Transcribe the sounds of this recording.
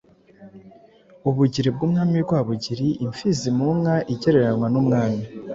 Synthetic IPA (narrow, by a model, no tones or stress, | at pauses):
uβuɟiɾeb̚ɡuːmŋaːmiɡwaːβuɟiɾiʔiɱfizimuŋaʔiɟe̞ɾe̞ɾanŋwanumŋaːmi